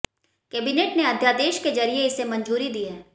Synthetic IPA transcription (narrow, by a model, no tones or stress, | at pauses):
kɛːbɪneːʈneɐd̪ʱjaːd̪eːʃked͡ʒɐɾijeɪsemɐ̃ɲd͡ʒuːɾid̪iːɦɛː